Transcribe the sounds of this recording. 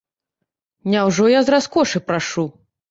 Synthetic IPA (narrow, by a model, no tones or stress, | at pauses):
nʲawʐɔjazɾaskɔʂɨpɾaʂu